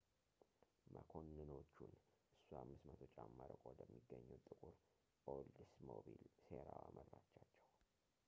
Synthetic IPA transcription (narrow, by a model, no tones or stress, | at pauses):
məkʰo̞nːɨno̞t͡ʃːunʔɨsːuhamːɨsmət̪ʰo̞t͡ʃʼːamːaɾəkʼod̪əmːiɡːəɲːɛwt̪ʼɨkʼuɾ | pʼold̪ɨsmobilseɾawamʔəɾɾat͡ʃːat͡ʃːɛw